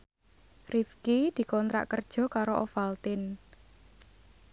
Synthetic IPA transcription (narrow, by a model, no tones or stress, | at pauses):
rifkid̪̥i̤kɔnt̪ɾa̰ʔkərd̥ʒ̥ɔ̤kaɾoʔɔfalt̪ɪn